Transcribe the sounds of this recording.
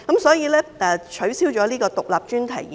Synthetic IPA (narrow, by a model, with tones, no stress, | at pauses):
kɐ˨˥msɔː˨˥jiː˧lɛː˥ɛ˨˧t͡ʃʰɵ˨˥ɥsiː˥wt͡ʃɔː˨˥liː˥kɔː˧t̪ʊ˨k̚la̰ː˨p̚t͡ʃyː˥nt̪ʰɐ˨˩ji˨